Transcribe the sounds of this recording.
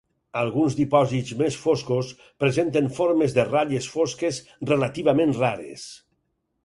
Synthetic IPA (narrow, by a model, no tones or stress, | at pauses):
alˠɣunzðipɔzit̪zmesfoskos | pɾezent̪enfoɾmezðeraʎesfoskezrelat̪iβamẽnraɾḛs